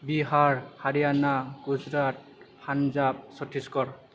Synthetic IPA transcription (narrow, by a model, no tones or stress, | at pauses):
biɦaɹhaɹijanaɡ̥uzɹat̚ | pʰanzab̚sɔtʰiskɔɹ